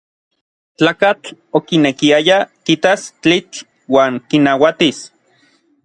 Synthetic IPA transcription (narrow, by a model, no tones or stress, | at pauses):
t͡ɬaːkat͡ɬokinekiajakit̪ast͡ɬit͡ɬ | waːŋkinawat̪is